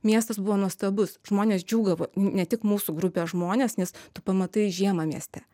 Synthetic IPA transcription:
mʲiɛst̪ɐsbʊʋoːnuɔst̪ɐbʊsʒ̥moːnʲeːsd͡ʒʲuːɡɐʋoːnʲɛt̪ʲɪkmuːsuɡɾʊpʲeːʒmoːnʲeːsnʲɛst̪ʊpɐmɐt̪ɐɪʒʲiɛmɐmʲiɛsʲt̪ʲɛ

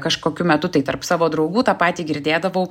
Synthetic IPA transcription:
kɐʃkoːkʲʊmʲɛt̪ʊt̪ɐɪt̪ɐrpsɑːʋoːd̪ɾɐʊɡuːt̪ɑːpɑːt̪ʲiːɡʲɪɾʲd̪ʲeːd̪ɐʋɐʊ

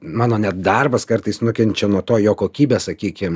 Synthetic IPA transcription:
mɑːnoːnʲɛt̪̚d̪ɐrbɐskɐrt̪ɨɪsnʊkʲɛnʲt͡ʃʲɛnuɔt̪oːjoːkoːkʲiːbʲeːsɐkʲiːkʲɪm

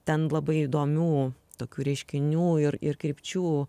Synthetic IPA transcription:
t̪ʲɛnlˠɐbɐɪid̪oːmʲuːt̪oːkʲuːɾʲɛɪʃʲkʲɪnʲuːɪɾɪ̰rkɾʲɪpʲt͡ʃʲuː

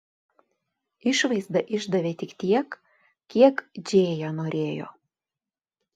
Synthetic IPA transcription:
ɪʃʋɐɪzd̪ɐʔɪʒd̪ɐʋʲeːt̪ʲɪkt̪ʲiɛkʲ | kʲiɛkd͡ʒʲeːjɛnoːɾʲeːjo̰ː

